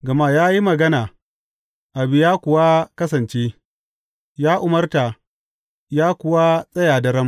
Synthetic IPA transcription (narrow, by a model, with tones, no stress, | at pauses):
ɡɐ˨ma˦jaː˦ji˦mɐ˨ɡɐ˦naː˨ | ʔa˨bɪ˦jaː˦kʷʊ˨wa˦kɐ˦sɐ˨nt͡ʃeː˦ | jaː˦ʔʊ˨mɐ˦rta˨ | jaː˦kʷʊ˨wa˦sʼɐ˦jaː˨dɐ˨ɾɐ˦m